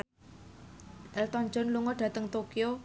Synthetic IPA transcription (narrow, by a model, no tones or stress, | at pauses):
ʔɛlt̪ɔɲd͡ʒɔnluŋɔɖ̥ä̤t̪əŋt̪okio